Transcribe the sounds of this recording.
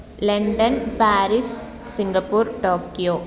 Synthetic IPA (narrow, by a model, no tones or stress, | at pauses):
leɳɖɐnpaːɾis | siŋɡɐpːuːɾʈoːkːijoː